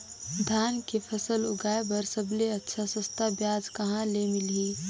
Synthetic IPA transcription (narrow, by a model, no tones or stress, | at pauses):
d̪ʱaːnkepʰɐsəlʊɡaːebɐɾsəbleɐtːʃʰasəst̪abjaːd͡ʒkɐɦãlemɪlɦiː